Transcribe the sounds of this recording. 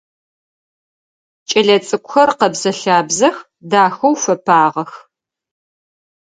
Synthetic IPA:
t͡ʃʼɐɮɐt͡sʼɨkʷʊxɐrqɐbzɐɬaːbzɐx | daːxɐwfɐpʰaːʁɐx

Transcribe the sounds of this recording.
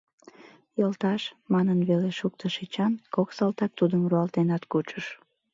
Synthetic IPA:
jəlt̪ɑʃmɑnənβeleʃuk̚t̪əʃit͡ɕɑnkoksɑlt̪ɑk̚t̪ud̪əmruɑlt̪enɑt̪kut͡ʃəʃ

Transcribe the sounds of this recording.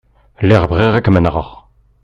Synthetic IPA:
lɛʁbʁiʁækmənʁɑ̰ʁ

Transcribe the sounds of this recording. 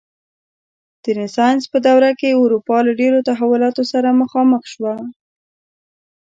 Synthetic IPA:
d̪̥ənɪsɑjnspəd̪awɾakeʊɾupɑlaɖeɾot̪aɦawʊlɑt̪osaɾaməxɑməxʃwa

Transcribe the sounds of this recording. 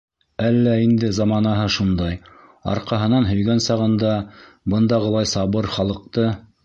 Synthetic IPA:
ælːæind̪ɘzɑmɑnɑɦɤʃund̪ɑj | ɑ̰ɾqɑɦɤ̆nɑnɦɵ̆jɡænsɑʁɤ̆nd̪ɑ | bɤ̆nd̪ɑʁɤ̆lˠɑjsɑβɤɾχɑlˠɤ̆q̚t̪ɤ

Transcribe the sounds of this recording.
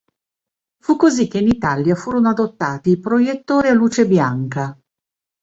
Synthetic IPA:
fukːozik̟ːeinit̪aljafuːɾonoad̪ot̪ːaːt̪iːpɾojet̪ːoːɾialːuːt͡ʃebjaŋka

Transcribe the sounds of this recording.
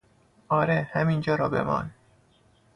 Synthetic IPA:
ʔɒːɾehæmind͡ʒɒːɾɒːbe̞̰mɒ̰ːn

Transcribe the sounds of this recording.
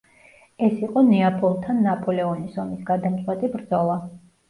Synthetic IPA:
ɛsiqʼɔnɛapʰʼɔlˠt̪ʰanːapʰʼɔlɛɔnisɔmisɡad̪amt̪sʼwɛt̪ʼibɾd̪zɔlˠa

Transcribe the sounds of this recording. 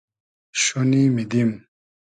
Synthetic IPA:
ʃonimid̪im

